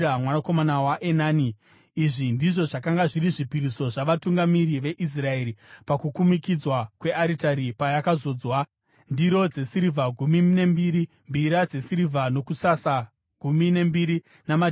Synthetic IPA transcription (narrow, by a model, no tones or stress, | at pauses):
amwanako̞manawaʔe̞naːniː | ʐindiʐo̞ʐakaŋɡaʐiɾiʐipiɾiso̞ʐaʋatuŋɡamiɾiʋe̞ʔis̬rae̞ɾipakukumikid͡zwakwe̞ʔaɾitaɾipajakazo̞ːd͡zwa | ndiɾo̞d͡ze̞siɾivʱaɡʱumine̞mbiːɾi | mbiɾad͡ze̞siɾivʱano̞kusasa | ɡ̥ʱumine̞mbiɾi | nama